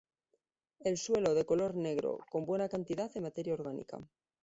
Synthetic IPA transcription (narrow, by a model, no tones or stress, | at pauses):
e̞lswe̞lo̞ðe̞ko̞lo̞ɾne̞ɣɾo̰ko̞mbwe̞nakant̪iðaðemat̪e̞ɾjaoɾɣ̞anḭka̰